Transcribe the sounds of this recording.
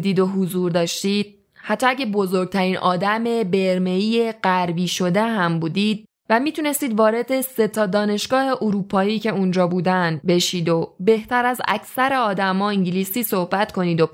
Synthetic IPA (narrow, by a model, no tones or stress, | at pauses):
d̪iːd̪o̞ɦuzuːɾd̪ɒːʃt̪iːd̪̥̚ | hæt̪ʰːɒːæɟebozo̞ɾɡ̚t̪ʰæɾiːnʔɒːd̪æme̞be̞ɾmeiːe̞ɢæɾbiːʃo̞d̪e̞ɦæmbuːd̪id̪̥̚ | væmiːt̪ʰune̞st̪iːd̪vɒːɾe̞d̪e̞se̞t̪ʰɒːd̪ɒːne̞ʃɡ̥ɒːhe̞ʔuɾuːpʰɒːiːce̞und͡ʒɒːbuːd̪ænd̪be̞ʃiːd̪o̞be̞ht̪æɾæzæ̰cʰsæɾeɒːd̪æmɒːiɲɟiliːsiːsohbæt̪kʰo̞niːd̪o̞